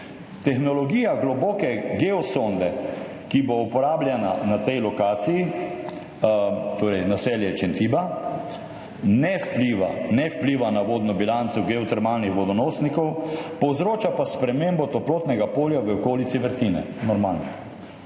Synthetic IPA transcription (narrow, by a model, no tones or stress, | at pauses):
t̪ɛxnɔlɔɡiːjaɡlɔboːkɛɡɛɔsond̪ɛ | kiboupɔɾaːblʲjɛnanat̪ɛjlɔkaːt̪siji | t̪oːɾɛjnasɛljɛt͡ʃɛnt̪iːba | nɛfpliːʋa̰nɛwpliːʋanaʋoːd̪nɔbilant̪sɔɡɛɔt̪ɛɾmaːlnixʋɔd̪ɔnosnikɔwpɔwzɾoːt͡ʃapaspɾɛmeːmbɔt̪ɔploːt̪nɛɡapoːljaʋəɔkoːlit̪siʋəɾt̪inɛ̰ | nɔɾmalnɔ